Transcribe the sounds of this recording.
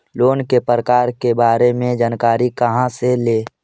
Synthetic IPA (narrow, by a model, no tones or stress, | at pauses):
loːnkepɾəkaːɾkebaːɾemẽd͡ʒaːnkaːɾikəɦãseleː